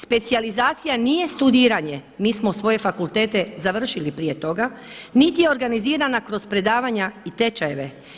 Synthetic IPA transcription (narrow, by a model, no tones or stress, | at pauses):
spe̞t̪sijalizaːt̪sijaniːje̞st̪ud̪iːɾaɲe̞miːsmosʋo̞je̞fakulˠt̪e̞ːt̪e̞zaʋr̩ʃilipɾije̞t̪o̞ɡanit̪ije̞o̞ɾɡaniziːɾanakɾo̞spɾe̞d̪aːʋaɲait̪e̞t͡ʃajeʋe̞